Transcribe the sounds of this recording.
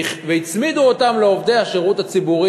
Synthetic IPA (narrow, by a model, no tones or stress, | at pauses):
χveit͡smid̪uotamleo̞vde̞jaʃeʁutat͡sibuʁi